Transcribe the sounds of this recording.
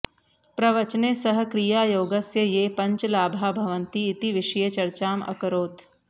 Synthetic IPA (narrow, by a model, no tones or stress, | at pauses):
pɾɐʋɐt͡ʃneːsɐɦə̆kɾijaːjoːɡɐsjəjeːpɐ̃ɲt͡ʃlaːbʱaːbʱɐʋə̃nt̪iːt̪iʋɪʃəjɐt͡ʃɐɾt͡ʃaːmɐ̰kɾoːt̪